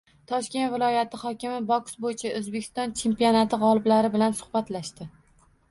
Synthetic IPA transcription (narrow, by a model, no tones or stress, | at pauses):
t̪ʰɒʃkʲe̞nt̪vɪlˠɒjat̪ʰɪχɒkʲɪmɪbɒksbojɪt͡ʃʰaʔozbe̞kʰʲɪ̥st̪ɒnt͡ʃʰe̞mpiɒnat̪ʰɪʁɒlˠɪblaɾɪbɪlansʊ̥χbat̪laʃt̪ɪ